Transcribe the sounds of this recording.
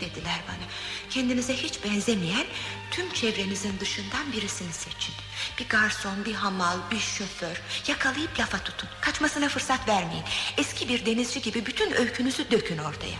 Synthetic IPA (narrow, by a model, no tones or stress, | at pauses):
d̪̥e̞d̪ilʲæɾbanacʰɛnd̪inizɛhit͡ʃbɛnzemijænt̪ʰymt͡ʃʰɛvɾe̞nizind̪ɯʃɯnd̪anbiɾisiniset͡ʃʰin | b̥iɡaɾso̞nbiɦamalˠbiʃø̞føɾjakʰalˠajɯplʲafat̪ʰu̥t̪ʰunkʰat͡ʃmasɯnafɯɾsat̪væɾmejinɛscʰibiɾd̪e̞nizd͡ʒiɟibibyt̪ʰynø̞jcʰynyzyd̪ø̞cʰyno̞ɾt̪ʰa̰ja̰